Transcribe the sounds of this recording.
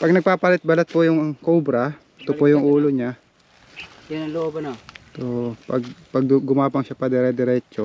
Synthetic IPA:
pɐɡ̚nɐɡ̚paːpalɪt̪̚bɐlɐt̪̚pʊjʊŋkobɾɐ | t̪ʊpojʊŋʔuːloɲa | jɐnɐŋloʔobɐnot̪opɐɡ̚pɐɡ̚ɡʊmaːbɐŋʃapɐd̪ɛɾɛd̪ɛɾɛːt͡ʃo

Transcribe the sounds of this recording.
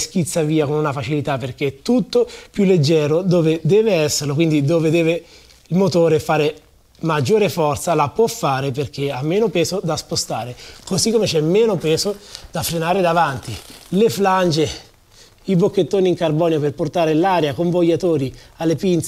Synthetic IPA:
sk̟it̪sːaviːakonunafat͡ʃilit̪apːerk̟eɛt̪ːut̪ːopjulːed͡ʒːɛːɾod̪oːved̪ɛːveɛsːeɾlok̬wind̪id̪oːved̪ɛːve | ilmot̪oːɾefaːɾe | mad͡ʒːoːɾefɔrt̪salapwɔfːaːɾeperk̟eamːeːnopɛːzod̪aspost̪aːɾekozikːomet͡ʃɛmːeːnopɛːzod̪̥afɾenaːɾed̪avant̪ilefland͡ʒe | ibokːet̪ːoːniːŋkarbɔːnjoperport̪aːɾelaːɾjakoɱvojːat̪oːɾialːepint̪s

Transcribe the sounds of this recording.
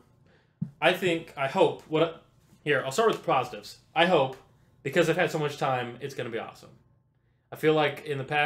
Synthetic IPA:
ʔaɪθɪ̃ŋkʰaɪhoʊpʰwʌɾ | hiɹa̰ɪlˠstɑɹwɨð̥pʰɹɑzəɾɨvz̥ʔaɪɦoʊp | b̥ɨkʰʌzɨv̥ɨd̥soʊmʌt͡ʃtʰãɪ̃mɨtsɡ̥ʌnɨbiɔ̰sə̰̃m | aɪfilaɪkʰɨ̃nðɨpʰæ

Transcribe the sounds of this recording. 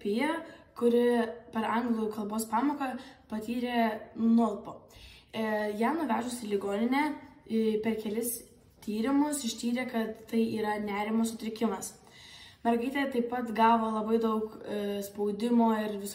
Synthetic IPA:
pʲɪjɛkʊɾʲɪpʲɛɾɐŋɡlˠuːkɐlˠboːspɑːmoːkɐpɐt̪ʲiːɾʲeːnʊlˠpoː | jæmnʊʋʲæːʒʊsʲɪlʲɪɡoːnʲɪnʲɛː | pʲɛɾkʲɛlʲɪs | t̪ʲiːɾʲɪmʊsɪʃʲt̪ʲiːɾʲeːkɐt̪t̪ɐɪʔiːɾɐnʲæːɾʲɪmosʊt̪ʲɾʲɪkʲɪmɐs | mʲɛɾɡɐɪt̪ʲeɛt̪ɐɪppːɐt̪ɡɑːʋoːlˠɐbɐɪd̪ɐʊkspɐʊd̪ʲɪmoːɪɾʋʲɪs

